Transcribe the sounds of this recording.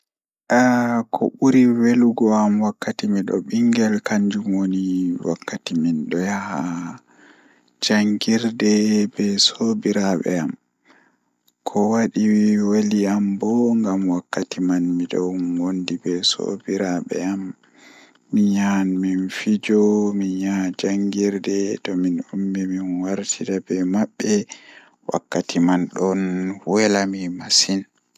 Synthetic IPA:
ʔakʰɔ̰ɓuɾiweluɡɔamwakːatimiɗɔ̰ɓiŋɡɛlkaɲd͡ʒumwoniwa̰kːatiminɗɔjaha | d͡ʒaŋɡiɾdɛbɛsobiɾaɓɛ̰a̰m | kʰɔwaɗiwaliambɔŋɡamwakːatʰimanmiɗɔwwondibɛso̰biɾaɓɛ̰amː | iɲanminfid͡ʒɔmiɲad͡ʒaŋɡiɾdɛtɔminumbiminwaɾtʰidabɛmaɓːɛ | wa̰kːatʰimanɗɔnwɛlamimasin

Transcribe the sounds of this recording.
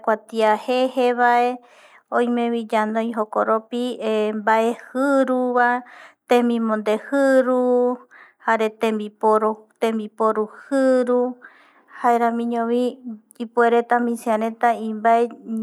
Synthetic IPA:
kʷat̪iaheheβaʔe̞ | õjmẽβid͡ʒand̪õj̃ɦokoɾopiembaʔehɨɾuβat̪ẽmĩmõnd̪ehɨɾu | haɾet̪ẽmbipoɾot̪ẽmbipoɾuhɨɾu | haeɾãmĩɲõβi | ipueɾet̪amĩsiãɾẽt̪aĩmbae

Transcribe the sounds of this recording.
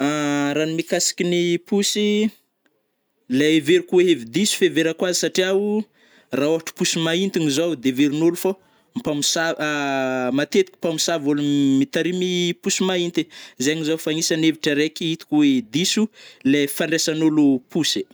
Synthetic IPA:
aɾanimikasi̥kʲinipusi | leeveɾikuweevid̪isu̥feveɾakwazisaʈ͡ʂiawu | raoaʈ͡ʂi̥pusimaint̪inizowd̪eveɾinulufa | mpamisa | mat̪et̪i̥kʲi̥pamisavolumit̪aɾimipusimaint̪ezeŋizowfaɲisaneviʈ͡ʂaɾekʲiit̪i̥kʲuweevd̪isulefaɳɖ͡ʐesanulupusi̥

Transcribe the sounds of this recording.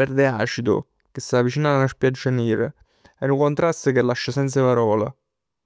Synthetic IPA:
ɛrd̪ea̰ːt͡ʃid̪ʊ̰ | k̟est̪ːavit͡ʃiːnalanaʃpjad͡ʒːaniːɾḛ | ɛnukont̪ɾast̪ək̟elːaʃːasɛnt̪sapaɾɔːla̰

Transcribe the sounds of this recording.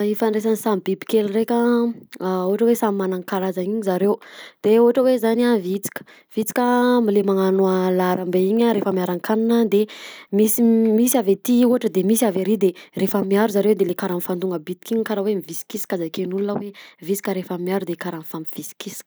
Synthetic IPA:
ifaɳɖ͡ʐes̬anisambibi̥kelurekʲə | uɦaʈ͡ʂəwesamimanaŋkaɾazaiɲizaɾewd̪̥euɦaʈ͡ʂəwezanavit͡si̥kə̥ | v̥it͡si̥kʲəmilemaŋanuəlaɾambeiɲaɾefəmiaɾaŋkanunəd̪emisimisiavet̪iuaʈ͡ʂəd̪emisiaveɾid̪erefəmiaɾuzaɾewd̪elekaɾamfand̪uŋɡəbit̪ikʲiɲkaɾəwemivisi̥kisi̥kazakenulunəwevit͡si̥kəɾefamiaɾud̪ekaɾanfamiv̥isi̥kisi̥k

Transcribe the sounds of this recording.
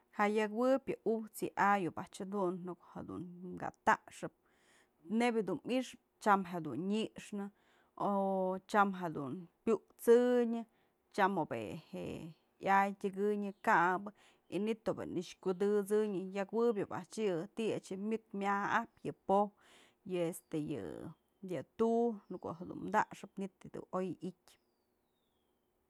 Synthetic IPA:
haʔjakwɨpʲjɨʔut͡sɨʔajopaʔt͡ʃad̪unnukhad̪ṵnmɡa̰t̪aʔʂɨp̚ | nebʲjad̪uniʂp̚t͡ʃamɦed̪unɲiʔʂnɨ | ot͡ʃamɦad̪ṵnpʲuʔt͡sɨɲɨ | t͡ʃamobḛhḛ | jajtʲɨɡɨɲɨkabɨ | init̪ːobḛniʂkud̪ɨt͡sɨɲɨjakwɨbʲɨba̰t͡ʃɨt̪ia̰t͡ʃɨmʲɨk̚mʲahapʲjɨpo | jɨest̪ejɨ̰ | d̪ɨt̪unɨkoʔɦed̪ṵnmd̪aʔʂɨpnit̪ːid̪ṵojʔikʲ

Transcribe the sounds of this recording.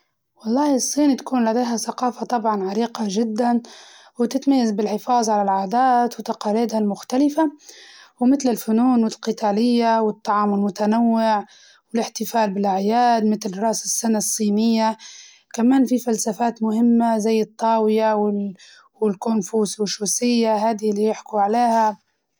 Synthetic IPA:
wɑlˤːɑːɨsˤːiːnit̪ḁkuːnlad̪ejɦasaqɑːfat̪ˤɑbʕɑnʕaɾiːqaʒɪd̪ːan | wt̪ɪt̪majːazbɪlħɪfɑːzˤʕalalʕaːd̪aːt̪wɪt̪ɑqɑːliːd̪halmʊxt̪alɪfa | wmɪt̪lɪlfʊnuːnwɪlqɨt̪aːlɪjːawɪt̪ˤːɑʕɑːmɪlmʊt̪anawːɪʕ | wɪlɪħt̪ɪfaːlbɪlʔaʕjaːd̪mɪt̪lrˤɑʔsɪsːanasˤːiːnɪjːa | kamaːnfifalsafaːt̪mʊhɪmːazajːɨt̪ˤːɑːwɪjawɪ | wɪlkʊnfuːswɪʃuːsɪjːaɦaːd̪ilːijɪħkuʕaleːha

